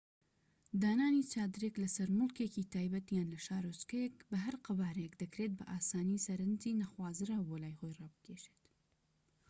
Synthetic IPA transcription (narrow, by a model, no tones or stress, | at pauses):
d̪aːnaːnit͡ʃaːd̪ɨɾeklɐsɐɾmʊlkeciːt̪ʰaːjbɐt̪jaːnlɐʃaːɾoskɐjekbɐɦɐɾqabaːɾekd̪ɐkɾet̪̚bɐ̰ʔaːsaːnisɐɾɨnd͡ʒiːnɐxwaːzɨɾawbolaːjxojrɑːbɨ̥kʰeːʃet̪